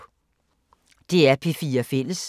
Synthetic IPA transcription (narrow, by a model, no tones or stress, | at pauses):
d̥e̝æɐpʰe̝fiːɐfel̰əs